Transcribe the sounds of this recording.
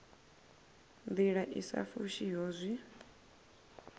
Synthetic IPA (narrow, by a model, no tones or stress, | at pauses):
nd̪iɺaʔisa̰fuʃiɦoːzʷi